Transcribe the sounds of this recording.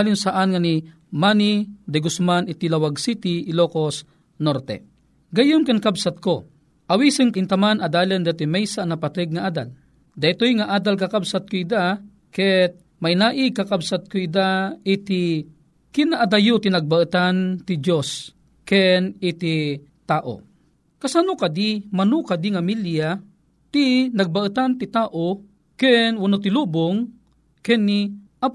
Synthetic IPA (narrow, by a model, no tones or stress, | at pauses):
alʊnsaʔanŋani | manid̪ɛɡʊsmanɪt̪ilawaɡsit̪iʔːlokos | noɾt̪ɛ̰ | ɡɐjʊnkankabsat̪̚ko | ʔawisɨŋɪnt̪amanɐd̪aːland̪at̪imɛjsanapat̪ɛɡ̚ŋaʔaːd̪a̰l | d̪ɐjt̪ojŋaʔaːd̪alk̬akabsat̪̚koid̪a | kɛt̪̚ | majnaːʔikakabsat̪̚koid̪ait̪i | kɪnaʔad̪ajʊt̪inɐɡ̚baʔɨt̪ant̪ɪd͡ʒjos | kɛnɪt̪ɪ | t̪aːʔo̰ | kasanokad̪imanukad̪iŋamilja | t̪inaɡ̚baʔɨt̪ant̪ɪt̪aːʔo | kɛnwanot̪̬ɪluboŋ | kɛnːiʔap